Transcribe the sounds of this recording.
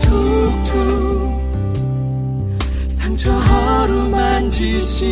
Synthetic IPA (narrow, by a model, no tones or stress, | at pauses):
tʰutʰu | sʰaŋt͡ɕʰʌɦʌɾumand͡ʑi | ɕi